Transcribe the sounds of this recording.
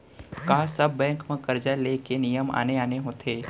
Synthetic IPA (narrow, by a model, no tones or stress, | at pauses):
kaːsəbːɛ̃ːŋkmẽkɐɾd͡ʒaleːkenijəma̰ːneaːneɦõːt̪ʰeː